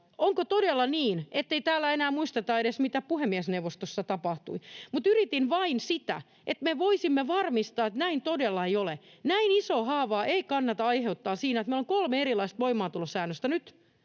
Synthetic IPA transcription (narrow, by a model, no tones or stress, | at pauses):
oŋkot̪odelːɑniːnet̪ːeit̪æːlːæenæːmuist̪et̪ɑedesmit̪æpuhemːiæsnewʋost̪osːɑt̪ɑpɑht̪ṵimut̪yrit̪inʋɑinsit̪æ̰ | ʔet̪meʋoisimːeʋɑrmist̪ɑːet̪næint̪odelːɑeijolenæinisoːhɑːʋɑːʔeikɑnːɑt̪ɑɑiheut̪ːɑːsiːnæet̪meiloŋkolmeerilɑist̪ʋoimɑːt̪ulosæːnːøst̪ænyt̪